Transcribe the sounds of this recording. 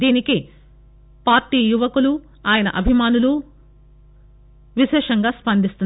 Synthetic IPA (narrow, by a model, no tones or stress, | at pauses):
d̪iːniki | paːɾʈiːjuʋɐkulu | aːjɐnɐ̰ʔɐbʱimaːnulu | ʋiʃɛːʂɐŋɡaːspɐnd̪ist̪un